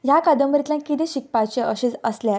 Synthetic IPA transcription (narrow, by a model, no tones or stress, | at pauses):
jakad̪əmbɾit̪lãkit̪ĩɕik̚pat͡ɕeəɕiːd͡zəsljaɾ